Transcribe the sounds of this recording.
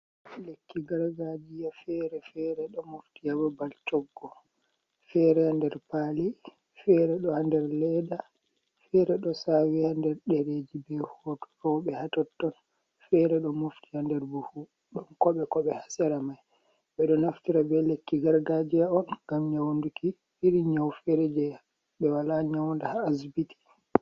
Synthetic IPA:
lekːiɡaɾɡad͡ʒijafɛɾɛfɛɾɛɗɔmoftijababaltɔɡːɔ | fɛɾɛhandɛɾpali | fɛɾɛɗɔhandɛɾlɛda | fɛɾɛɗɔsawihandɛɾɗeɾeːd͡ʒibɛhɔtɔ̥ɾɔɓɛhatɔtːɔn | fɛɾɛɗɔmoftihandɛɾbuhu | ɗɔnkɔɓɛkɔɓɛhasɛɾamaj | ɓɛɗɔnaftiɾabɛlekːiɡaɾɡad͡ʒiaɔnŋɡamɲawnduki | iɾiɲawfɛɾɛd͡ʒɛja | ɓɛwalaɲawndahaːsbiti̥

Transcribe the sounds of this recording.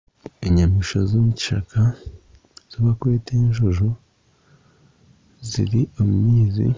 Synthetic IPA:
iɲamiʃozomuci̥ʃa̰kʰa | z̥oβakweːteinʒuʒu | zḭɾiomumiːzḭ

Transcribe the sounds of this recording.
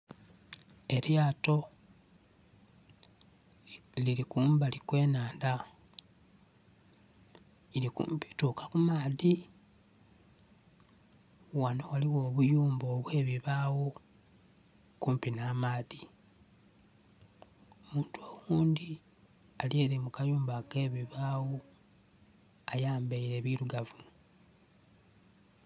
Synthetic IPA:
e̞ljaːto̞ | lilikuːmbalikwe̞ːnaːnda | ilikṵmpi̥tukakumaːði | wano̞waliwo̞ːβujuːmbo̞ːβwe̞ːβiβawo̞ | kuːmpinaːmaːði | omuːntuowuːnd̪i | alje̞ːɾimukajuːmbake̞ːβiβaːwo | ajaːmbeiɾe̞βiɾuɡavu

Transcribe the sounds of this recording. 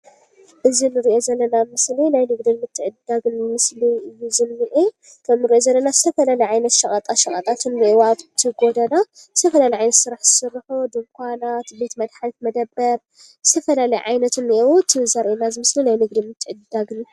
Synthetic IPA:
ʔɨzinɨɾiʔo̞zɐlːɐnamɨslinajnɨɡd̪inmɨt̪ʰːɨʕɨd̪ːaɡnmɨsliɨjːuzɨmːiʔi | kʰɐmnɨɾiʔo̞zɐlːɐnazɨt̪ʰɐfɐlalɐjʕajnɐt̪ʃɐkʼɐt̪ʼaʃɐkʼɐt̪ʼat̪ʰɨnːiʔewaβt̪ʰɨɡod̪ɐna | zɨ̥t̪ʰɐfɐlalɐjʕajnɐt̪sɨɾaħz̥ɨsɨrːħud̪ɨmkʷʰanat̪be̞t̪mɐd̪ħalt̪mɐd̪ɐbːɐɾ | zɨ̥t̪ʰɐfɐlalɐjʕajnɐt̪ʰɨnːiʔewut̪ʰɨzaɾʔenazɨmɨslinajnɨɡd̪inmɨt̪ʰːɨʕɨd̪aɡn

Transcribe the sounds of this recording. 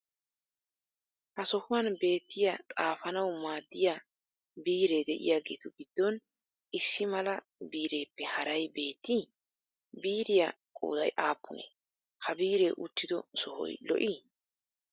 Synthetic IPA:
hɐsɔhʊwanbe̞ːt̪ːɪjɐt̪ʼaːfɐnɐwmaːd̪ːɪja | biːɾe̞ːd̪ɛʔɪ̰jaːɡeːt̪ʊɡɪd̪ːɔn | ʔɪsːɪmɐlɐ | biːɾe̞ːpːɛhɐɾɐjbe̞ːt̪ːi | biːɾɪja | kʼo̰ːd̪ɐ̰jʔaːpːʊnḛ | hɐbiːɾe̞ːʔʊt̪ːɪd̪ɔ̰sɔhɔ̰jlɔ̰ʔi

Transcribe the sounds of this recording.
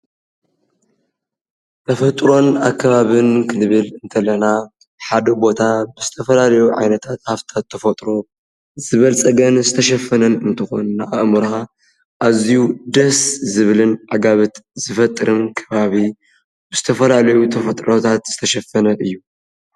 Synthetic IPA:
t̪ʰɐfɐt̪ʼɾo̞nakʰːɐβaβɨnkʰɨnɨβɨlɨnt̪ʰɐlɐna | ħad̪ɐbo̞t̪ʰabɨzɨt̪ʰɐfɐlalɐjuʕa̰jnɐt̪ʰat̪haft̪ʰat̪ʰːɐfɐt̪ʼɾo̞ | zɨβɐlt͡sʼɐɡɐnzɨt̪ʰɐʃɐfːɐnɐnɨnt̪ʰɨxo̞̰nːaʔaʔmɨɾa | ʔazijud̪ɐszɨβɨlɨnʕaɡaβɨt̪z̥ɨfɐt̪ʼːɨɾɨmkʰɐβaβi | bɨz̥ɨ̥t̪ʰɐfɐlalɐjut̪ʰɐfɐt̪ʼɾot̪ʰat̪z̥ɨt̪ʰɐʃɐfːɐnɐʔɨjːu

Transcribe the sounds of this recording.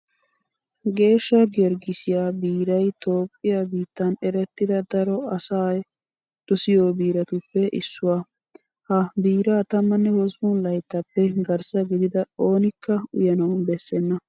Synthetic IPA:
ɡe̞ːʃːɐɡɛɾɡɪsɪjaːbiːɾɐjt̪o̞ːpʼːɪjabiːt̪ːɐnɛɾɛt̪ːɪd̪ɐd̪ɐɾɔɐsaːj | d̪̥ʊsɪjoːbiːɾɐt̪ʊpːɛʔɪ̰sːʊwaː | hɐbiːɾaːt̪ɐmːɐnːɛhɔsmʊnlɐjt̪ːɐpːɛɡɐɾsɐɡɪd̪ɪd̪ɐo̞ːnɪkːɐʊ̰jɐnɐwnbɛsːɛnːɐ

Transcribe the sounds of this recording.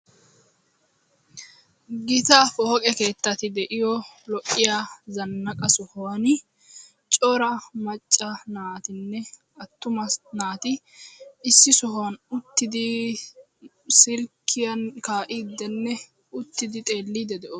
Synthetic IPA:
ɡɪt̪afɔhɔkʼɛke̞ːt̪ːɐt̪ɪd̪ɛʔɪjɔlɔʔʼːɪjazɐnːɐkʼɐsɔhɔwɐn | t͡ʃʼɔːɾɐmɐt͡ʃʼːɐnaːt̪ɪnːɛ | ɐt̪ːʊmɐnaːt̪ɪ | ɪsːɪsɔɦwɐnʊt̪ːɪd̪ɪ | sɪlkʰːɪjɐnkaːʔid̪ːɛnːɛ | ʊt̪ːɪd̪ɪt̪ʼe̞ːlːiːd̪ɛd̪ɛʔo

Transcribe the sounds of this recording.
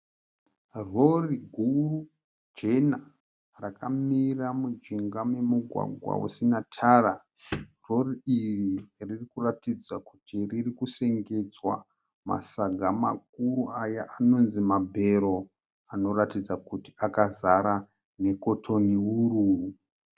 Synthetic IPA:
ro̞riɡʱuru | d͡ʒena | rakamiramud͡ʒiŋɡame̞muɡʱwa̰ɡʱwa̰wṵsinatʰaːra | ro̞riiriririkuratid͡zakutiririkuse̞ŋɡe̞d͡zwa̰ | ma̰saɡʱama̰k̚uruajaʔano̞nzimabʱe̞ɾo | ano̞ɾatid͡zakutiakazaɾa | ne̞ko̞tʰo̞niwuruːu

